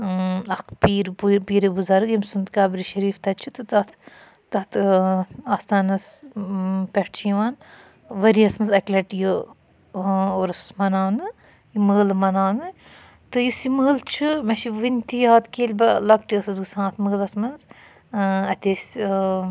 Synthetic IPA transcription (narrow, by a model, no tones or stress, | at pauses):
ɐkpiːɾbupiːɾebuzaɾɨɡjimsunt̪kaːbɾiʃɐɾiːft̪ɐt͡ʃʰut̪ɨt̪ɐt̪ʰ | t̪ɐt̪ʰ | aːst̪aːnɐs | pʲɛʈt͡ʃʰiʋaːn | ʋɐɾiɐsmɐnzɐkʲlʲɐʈjo | oɾɐsmɐnaːnɨ | jimɨɣlmɐnaːnɨ | t̪ɨjusimɨlt͡ʃʰumɐʃiʋɨnʲt̪ijaːt̪keːlʲbɐlɐkʈiɐsɐzɡɨsãːt̪ʰmɨɣlɐsmɐnz | ɐt̪ʲesʲ